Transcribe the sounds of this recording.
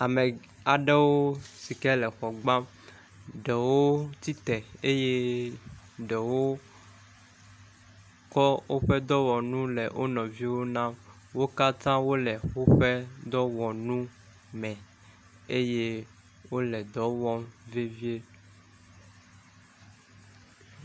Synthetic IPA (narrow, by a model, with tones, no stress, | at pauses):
a˨mɛ˨ | a˨ɖe˦wo˦si˨kɛ˦lɛ˨xɔ˨ɡ͡bã˦m | ɖɛ˨wo˦t̪i˦t̪ɛ˨e˦je˦ | ɖɛ˨wo˦ | kɔ˦wo˦ɸɛ˦d̪ɔ˦wɔ˨nũ˦lɛ˨ʔo˦nɔ̃˨vi˦wo˦nã˦m | wo˦ka˦t̪ã˦wo˦lɛ˨o˦ɸɛ˦d̪ɔ˦wɔ˨nũ˦ | mɛ̃˨ | e˦je˦ | wo˦lɛ˨d̪ɔ˨˦wɔ˦mve˦vi˦e˦